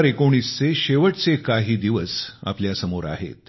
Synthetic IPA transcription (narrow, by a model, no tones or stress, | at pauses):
ɾekoɽ̃iːst͡seɕeʋəʈt͡sekaɦiːd̪iʋəsa̰pljasəmoɾa̰ɦḛt̪̚